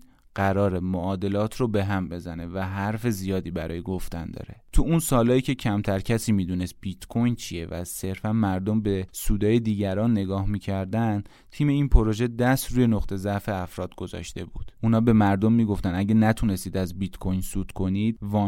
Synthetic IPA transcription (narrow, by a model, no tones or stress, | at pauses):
ɢ̥æɾɒːɾemoʔɒːd̪e̞lɒːt̪ʰɾobe̞ɦæmbe̞zæne̞væɦæɾfe̞zijɒːd̪iːbæɾɒːjeɡo̞ft̪ænd̪ɒ̰ːɾe̞t̪ʰuunsɒːlɒːiːcʰe̞cʰæmt̪ʰæɾcʰæsiːmiːd̪uːne̞st̪̚b̥it̪kʰo̞jnt͡ʃʰie̞væ̰se̞ɾfænmæɾd̪o̞mbe̞suːd̪ɒːje̞d̪iːɟæɾɒːnːe̞ɡɒːhmiːcʰæɾd̪æn | t̪ʰiːme̞iːnpʰoɾo̞ʒe̞d̪æst̪ɾuːje̞noχt̪ʰe̞zæʔfe̞æfɾɒːd̪̥ɡo̞zɒ̰ʃt̪e̞bṵːd̪̥ʔuːnhɒːbe̞mæɾd̪o̞mːiːɡo̞ft̪ænæɟænæt̪ʰune̞st̪iːd̪æzbit̪kʰo̞jnsuːt̪kʰo̞niːd̪̥̚vɒ